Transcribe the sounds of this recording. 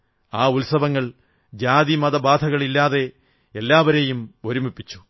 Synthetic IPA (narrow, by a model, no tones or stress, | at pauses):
aːulsɐʋɐŋːɐɭ | d͡ʑaːðimɐðɐbaːd̪ʱɐɣɐɭilːaːðe̞ | elːaːʋɐɾe̞jumo̞ɾumipːit͡ɕːu̥